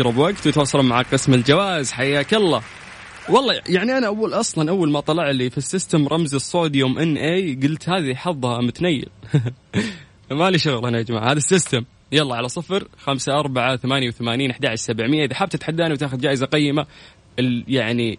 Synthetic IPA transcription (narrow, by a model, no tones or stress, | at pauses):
ɾɑbwaɡt̪wɪt̪wɑsˤːɑlmaʕaqɪsmɪld͡ʒawaːzħajaːkalːa | wɑlˤːɑːjaʕniʔanaʔabuːlʔɑsˤlɑnʔawːalmat̪ˤɑlɑʕlifisːɪst̪amɾˤʔɑmzɨsˤːoːd̪joːmʔɪnːʔeːɡʊlt̪haːðiħɑðˤːhɑmʊt̪najːɪ̰l | maliʃʊɣlʔanaʔad͡ʒmaʕhaːðasːɪst̪am | jɑlˤːɑːʕalasˤɨfɾxamsaʔɑɾˤbaʕaθamaːnjawθamaːniːnʔɪħd̪aːʕɪʃsabɪʕmɪjːaʔɪðaħaːb̚t̪ɪt̪ħad̪ːaːniwt̪aːxʊd̪d͡ʒaːʔɪzaqɑjːɪma | ɪljaʕni